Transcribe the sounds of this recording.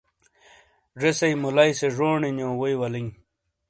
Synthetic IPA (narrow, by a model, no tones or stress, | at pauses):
ʐesejmulajseʐoːɳinjõːwojwɐliŋ